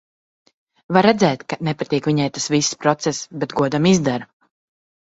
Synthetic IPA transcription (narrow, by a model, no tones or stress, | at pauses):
vaɾɛd̪zɛːt̪kanɛpat̪iːkviɲajt̪asvisːpɾɔt̪sɛsbɛt̪ɡuɔd̪amizd̪aɾ